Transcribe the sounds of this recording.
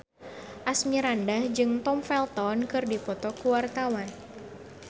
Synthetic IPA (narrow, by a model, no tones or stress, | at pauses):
ʔasmiɾandahd͡ʒɨŋt̪ɔmfɛlt̪ɔnkɨrdipɔt̪ɔkuwart̪awan